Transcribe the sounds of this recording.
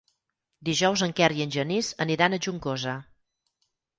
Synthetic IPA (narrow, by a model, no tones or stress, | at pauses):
d̪iʒɔwzəŋkɛɾiənʲʒənizəniɾanəʒuŋkozə